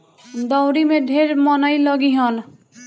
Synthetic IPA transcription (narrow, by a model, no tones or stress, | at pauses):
d̪ʌwɾimed̪ʱeɾmʌnʌjlʌɡiɦʌn